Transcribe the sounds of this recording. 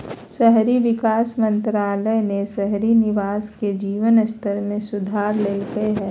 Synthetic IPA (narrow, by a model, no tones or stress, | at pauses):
ʃɛɦɾiʋɪkaːsmə̃nt̪ɾaːlənesɛɦɾinɪʋaːsked͡ʒiːʋənəst̪ʰəɾmẽsʊd̪ʱaːɾleːlɡəeɦɛː